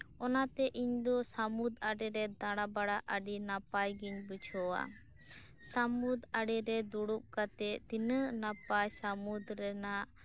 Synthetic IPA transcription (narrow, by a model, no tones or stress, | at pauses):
ɔnat̪ɛʔiɲd̪ɔsamud̪aɖɛɾɛd̪aɽabaɽaʔəɖinapajɡiɲbət͡ʃʰɔwa̰ | samud̪aɖɛɾɛd̪uɽup̚kat̪ɛʔt̪inəʔnapajsamud̪ɾɛnaʔ